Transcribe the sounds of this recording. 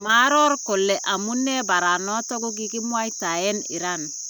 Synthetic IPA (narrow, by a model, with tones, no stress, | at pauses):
ma˦ɾɔ˦ɾko˨lːɛ˨ʔa˨mu˦nːe˦ba˨ɾa˨nɔ˦tɔ˦ɡu˦ɡ̬i˦ki˦mwa˦i˦ta˨jɛ˦nḭ˨ɾa˦n